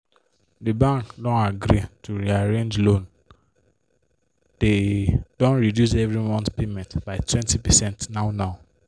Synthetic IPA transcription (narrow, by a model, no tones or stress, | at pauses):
dibãŋkdɔ̃naɡɾituɹiaɹẽnd͡ʒlõn | d̥ed̥ɔ̃nɹidjus̬ɛvɹimɔ̃ntpemɛ̃ntbaɪtʰwɛ̃ntipɛsɛ̃ntnaʊnaʊ